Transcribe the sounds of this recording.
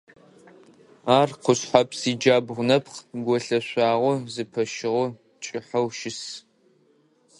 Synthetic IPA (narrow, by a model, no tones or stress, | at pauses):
aːrqʷʰʊɕħapʰsiːd͡ʒaːbʁʷʊnɐpʰχɡʷɔɬɐɕʷaːʁʷʊzɨpʰɐʃɪʁʊ | t͡ʃʼɪħɐwʃɪs